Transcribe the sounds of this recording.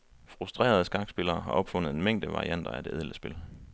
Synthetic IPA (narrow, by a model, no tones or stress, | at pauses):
fʁusd̥ʁḛːɐð̞ˠsɡ̥ɑ̈ɡ̥sb̥e̝lɐːɦɑ̈ʔɒ̽b̥fɔ̽n̰ð̩ˠe̝nmeŋ̰d̥əʋɑ̈ʁḭʔæn̰d̥ɐæd̥e̝ʔeð̞̰ˠləsb̥e̝l